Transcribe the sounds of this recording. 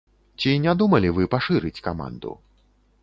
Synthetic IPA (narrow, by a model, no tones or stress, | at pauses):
t͡sʲinʲad̪umɐlʲivɨpaʂɨɾɨt͡sʲkama̰nd̪ṵ